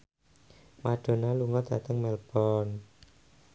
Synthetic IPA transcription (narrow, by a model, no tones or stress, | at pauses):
maɖ̥o̤naluŋɔd̪̥ä̤t̪əŋmɛlb̥ɔn